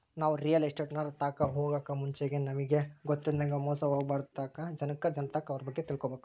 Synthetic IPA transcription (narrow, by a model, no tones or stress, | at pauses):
naːʋuɾijɐlɐsʈeʈnaːɾt̪aːkɐɦoːɡaːkɐmuɲt͡ʃeɡenɐmiɡe̞ɡot̪ːind̪ɐŋɡɐmɔːsɐɦoːɡbaːɾd̪t̪aːkɐd͡ʒɐnɐkːɐd͡ʒɐnt̪aːkɐʋɐɾɐbɐɡːe̞t̪iɭkobeːku